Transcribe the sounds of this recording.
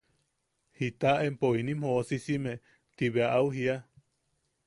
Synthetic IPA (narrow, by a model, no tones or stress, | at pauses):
hit̪aʔempoinimhoʔosisime | t̪iβeaʔauɦia